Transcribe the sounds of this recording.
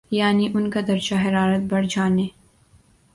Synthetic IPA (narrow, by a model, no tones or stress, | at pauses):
jaːniʔʊnkad̪ɐɾd͡ʒaɦɐɾaːɾət̪̚bɐɽd͡ʒaːneː